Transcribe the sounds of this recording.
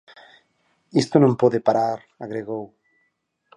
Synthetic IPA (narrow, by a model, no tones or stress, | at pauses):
ist̪onõmpoðepaɾaɾ | aɣɾeɣow